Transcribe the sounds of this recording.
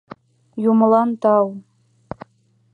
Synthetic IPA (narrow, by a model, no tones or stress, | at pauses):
jumɤ̆lˠɑnt̪ɑw